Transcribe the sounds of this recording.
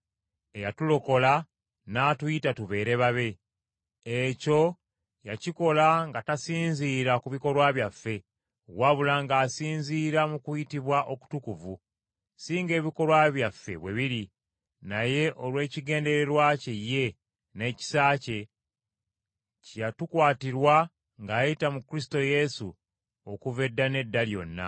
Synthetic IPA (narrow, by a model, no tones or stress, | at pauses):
ejatulo̞ko̞la | naːtujitatuβe̞ːɾe̞βaβe̞ | eco̞ | jaciko̞laŋɡatasiːnziːɾakuβiko̞lwaːβjafːe̞ | waβulaːŋɡaːsiːnziːɾamukujitiβwaʔo̞ku̥tukuvu | siːŋɡe̞ːβiko̞lwaβjafːe̞̰βwe̞βiɾi | naje̞ʔolwe̞ːciɡe̞ːnde̞ɾeɾwacejːe̞ | ne̞ːci̥saːce̞ | cjatukwaːtiɾwa | ŋɡaːjitamukɾis̬to̞je̞su | o̞kuve̞dːane̞dːaljo̞̰nːa̰